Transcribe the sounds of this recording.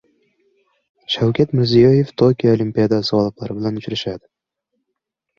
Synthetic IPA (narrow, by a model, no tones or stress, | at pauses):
ʃawkʲʰat̪mɪɾzijɒje̞ft̪ʰokʲijaolʲimpʲijad̪asɪɒlˠɨqlˠaɾɪbɪlanʊt͡ʃɾaʃad̪ɪ